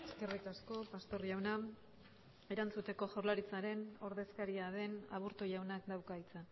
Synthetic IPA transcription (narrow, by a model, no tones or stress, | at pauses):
eske̞rikasko̞past̪o̞rʝawna | e̞ɾant͡sut̪e̞ko̞ʝoɾlaɾit͡saɾe̞no̞ɾðe̞skaɾiaðe̞na̰βuɾt̪oʝawnakd̪awkajt͡sa